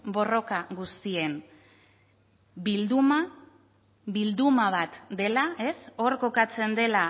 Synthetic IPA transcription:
bo̞ro̞kaɣust̪ie̞n | bild̪uma | bild̪umaβ̞at̪d̪e̞lae̞so̞ɾko̞kat͡se̞nd̪e̞la

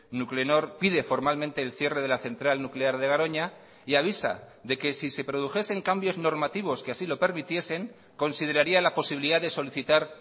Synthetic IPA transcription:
nukleno̞ɾpiðe̞fo̞ɾmalmẽnt̪e̞ːlθje̞re̞ð̞e̞laθe̞nt̪ɾalnukle̞aɾðe̞ɣ̞aɾo̞ɲa | iaβ̞isa̰ðe̞ke̞sise̞pɾo̞ðuxe̞se̞ŋkambjo̞zno̞ɾmat̪iβ̞o̞skeasilo̞pe̞ɾmit̪je̞se̞ŋ | ko̞nsið̞e̞ɾaɾialapo̞siβiliðaðeso̞liθit̪aɾ

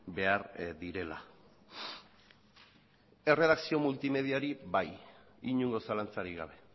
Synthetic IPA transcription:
be̞aɾd̪iɾe̞la̰ | e̞re̞ðaksio̞mult̪ime̞ð̞iaɾiβaj | iɲuŋɡo̞salant͡saɾiɣaβ̞e̞

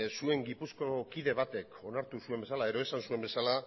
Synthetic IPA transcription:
sue̞ŋɡipusko̞kiðe̞β̞at̪e̞ko̞naɾt̪usue̞mbe̞salae̞ðo̞esansue̞mbe̞sala

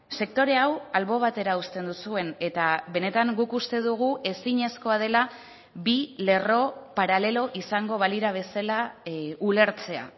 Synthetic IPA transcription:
se̞kt̪o̞ɾe̞awalβo̞β̞at̪e̞ɾaust̪e̞nd̪usue̞ne̞t̪aβe̞ne̞t̪aŋɡukust̪e̞ðuɣ̞uʔe̞siɲe̞sko̞að̞e̞la | bile̞ro̞paɾale̞lo̞ʔisaŋɡo̞βaliɾaβ̞e̞salaule̞ɾt͡se̞a̰

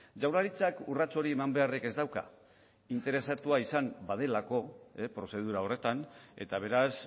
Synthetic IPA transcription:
ʝawɾlaɾit͡sakurat͡so̞ɾie̞mambe̞areke̞zd̪awka̰ | int̪e̞ɾe̞sat̪uaisambað̞e̞lako̞epɾo̞se̞ð̞uɾao̞re̞t̪ane̞̰t̪aβ̞e̞ɾas

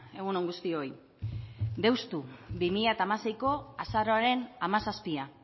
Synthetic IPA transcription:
e̞ɣ̞unoŋɡust̪io̞j | d̪e̞wst̪ubimiʎat̪aːmase̞jko̞asaɾoaɾe̞namasaspia

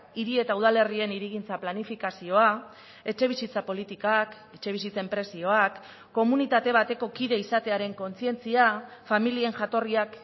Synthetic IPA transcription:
iɾie̞t̪auðale̞rie̞niɾiɣ̞int͡saplanifikasio̞a | e̞t͡ʃe̞β̞isit͡sapo̞lit̪ikak | e̞t͡ʃe̞β̞isit͡se̞mpɾe̞sio̞akː | o̞munit̪at̪e̞β̞at̪e̞ko̞kiðe̞isat̪e̞aɾe̞ŋko̞nt͡sie̞nt͡siafamilie̞nʝat̪o̞riak

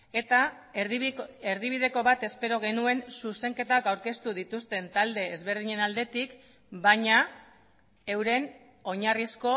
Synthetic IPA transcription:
et̪a | eɾðiβ̞ið̞e̞ko̞βat̪e̞spe̞ɾo̞ɣ̞e̞nue̞nsuse̞ŋke̞t̪akawɾke̞st̪uð̞it̪ust̪e̞nt̪ald̪e̞ːzβe̞ɾð̞iɲe̞nald̪e̞t̪ik | baɲa | e̞wɾe̞n | o̞ɲarisko̞

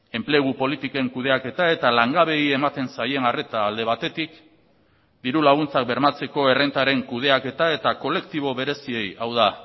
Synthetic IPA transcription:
e̞mple̞ɣ̞upo̞lit̪ike̞ŋkuð̞e̞ake̞t̪ae̞t̪alaŋɡaβe̞ie̞mat̪e̞nsaje̞nare̞t̪aːld̪e̞β̞at̪e̞t̪ik | d̪iɾulaɣ̞unt͡sak̚be̞ɾmat͡se̞ko̞e̞rent̪aɾe̞ŋkuð̞e̞ake̞t̪ae̞t̪ako̞le̞kt̪iβ̞o̞βe̞ɾe̞sie̞jawð̞a

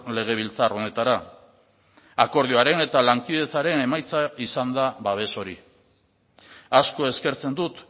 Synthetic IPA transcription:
le̞ɣ̞e̞β̞ilt͡saro̞ne̞t̪aɾa | ako̞ɾð̞ioaɾe̞ne̞t̪alaŋkiðie̞t͡saɾe̞ne̞majt͡saisand̪aβaβ̞e̞so̞ɾi | asko̞e̞ske̞ɾt͡send̪ut̪

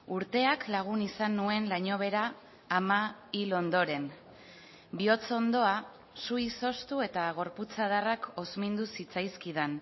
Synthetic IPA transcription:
uɾt̪e̞aklaɣ̞unisanːue̞nlaɲo̞β̞e̞ɾaː | mailo̞nd̪o̞ɾe̞n | bio̞t͡so̞nd̪o̞a | sujso̞st̪ue̞t̪aɣ̞o̞ɾput͡sað̞arako̞zmind̪usit͡sajskiðan

